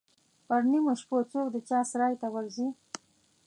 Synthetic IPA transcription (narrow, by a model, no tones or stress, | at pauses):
paɾnimoʃpot͡sok̚d̪ət͡ʃɑsɾɑjt̪awaɾzi